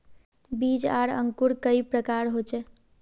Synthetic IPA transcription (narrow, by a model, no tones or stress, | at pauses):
bid͡ʒaɽə̰ŋkuɾkəipɾəkaɾɦot͡ʃɛ